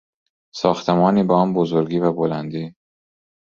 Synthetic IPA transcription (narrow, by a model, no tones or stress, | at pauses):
sɒːxt̪ʰemɒːniːbeɒːnbozoɾɡiːvæbolænd̪iː